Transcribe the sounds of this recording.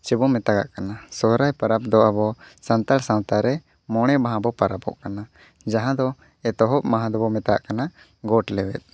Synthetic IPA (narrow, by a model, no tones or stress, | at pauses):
t͡ʃɛbɔmɛt̪aɡa̰ʔkanasɔɦɾajpaɾap̚d̪ɔʔabɔsant̪alsãw̃t̪aɾɛ | mɔɽ̃ɛbaɦãbɔpaɾapɔ̰ʔkana | d͡ʒaɦãd̪ɔ | ɛt̪ɔɦɔʔmaɦãd̪ɔbɔmɛt̪aɡa̰ʔkana | ɡɔʈlɛwɛ̰t̪̚